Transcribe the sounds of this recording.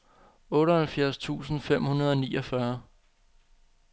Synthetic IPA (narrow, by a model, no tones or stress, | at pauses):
ɔ̽ːɾəhælfjæɐst͡sʰṵːsn̩fem̰hunɐð̞ˠɒ̽niːɒfɶɐ